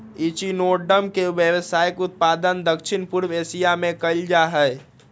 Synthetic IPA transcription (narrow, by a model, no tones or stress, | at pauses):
it͡ʃinoɖəmkeʋjəʋəsajəkut̪̚pad̪ənd̪əkʃʰinpuɾbesijamekəɪld͡ʒaɦə